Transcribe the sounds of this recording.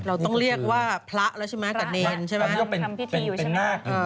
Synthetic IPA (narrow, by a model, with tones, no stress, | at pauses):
ɾa˧wt̪ɔ˥˩ŋɾi˥˩ək̚waː˥˩pʰɾa˦˥ʔla˧˦˥t͡ɕʰa˥˩ma˦˥a˨˩neː˦˧nt͡ɕʰa˥˩jm˧˦o˥˩pe˧npe˧n˧pe˧nmaː˥˩k̚ʔɤː˧˩